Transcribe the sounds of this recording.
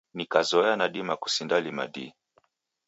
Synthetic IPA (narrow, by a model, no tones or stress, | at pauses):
nikazɔɛanaɗimaku̥sindalima̰ɗḭ